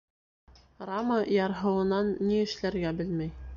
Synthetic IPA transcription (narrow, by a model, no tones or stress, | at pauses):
rɑmɤjɑɾɦɤ̆wɤ̆nɑnːiɘ̆ʃlæɾɡæbɘlmæj